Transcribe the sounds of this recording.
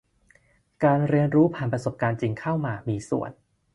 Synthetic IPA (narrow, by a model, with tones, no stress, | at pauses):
kaː˧nɾi˧ənɾuː˦˥pʰaː˨˩npɾa˧so˨˩p̚kaː˧nt͡ɕi˧ŋkʰa˥˩wmaː˧miː˧sṵ˨˩ən